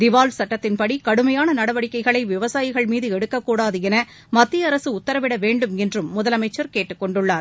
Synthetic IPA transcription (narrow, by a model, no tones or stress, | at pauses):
d̪ɪʋaːlsɐʈːɐt̪ːɪnpɐɽikɐɽɯmɐjaːnɐnɐɽɐʋɐɽɪkːɐɪɣɐɭɐɪʋɪʋɐsaːjɪɣɐɭmiːðɯɛɽɯkːɐkːuːɽaːðɯɛnɐ | mɐt̪ːɪɐɾɐsɯʊt̪ːɐɾɐʋɪɽɐʋeːɳɖɯmɛndrɯmːʊðɐlɐmɐɪt͡ʃːɐɾkeːʈːɯkːɔɳɖɯɭːaːɾ